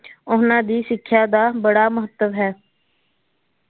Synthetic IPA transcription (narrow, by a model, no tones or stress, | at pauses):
ʊɦnãːd̪iːsɪkʰːjaːd̪aːbəɽaːməɦət̪ːəʋɦɛː